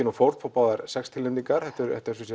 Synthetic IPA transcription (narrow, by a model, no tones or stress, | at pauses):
ɪnɔfowɾt̪fɔɾpaːðaɾsɛkst̪ʰɪlɪnt̪iŋkaɾ̥hɛht̪ʏɾɛ̰ht̪ɛɾsʏsɛ